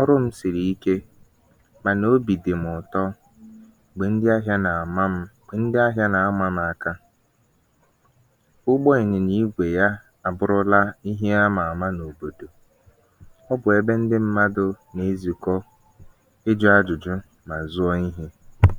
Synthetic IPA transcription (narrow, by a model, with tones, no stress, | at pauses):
ɔ˦ɾʊ˦m̩˦sɪ˨ɾi˨i˦ke˦ | ma˨no˦bi˨dɪ˨m̩˨ʊ˨tɔ˦ | ɡ͡be˨n̩˦dɪ˦a˦ɦja˦na˨ma˦m̩˦ | e˨n̩˦dɪ˦a˦ɦja˦na˨a˦ma˦m̩˦a˨ka˦ | ʊ˦ɡ͡bɔ˦i˨ɲɪ˨ni˦ɡʷe˨ja˦ | a˨bʊ˨ɾʊ˦la˦i˦ɦe˦a˦ma˨a˨ma˦no˨bo˨do˨ | ɔ˦bʊ˨e˦be˦n̩˦dɪ˦m̩˦ma˦dʊ˦ | ne˨˦zi˨kɔ˦ | e˦d͡ʒʊ˦a˦d͡ʒʊ˨d͡ʒʊ˦ | ma˨zʊ˦ɔ˦i˦ɦe˦